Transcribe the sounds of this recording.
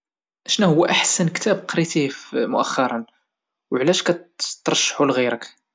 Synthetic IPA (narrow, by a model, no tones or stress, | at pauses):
ʔʃnuhʊwːæʔaħsənkt̪æbqɾit̪ifmʊʔæxːɑɾˤɑn | wʕlæʃkæt̪ːɾˤɑʃːħulɣiɾək